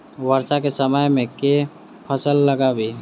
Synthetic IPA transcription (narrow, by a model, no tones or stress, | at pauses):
wəɾsakesəməjmẽke | pʰəsəlːəɡabʱi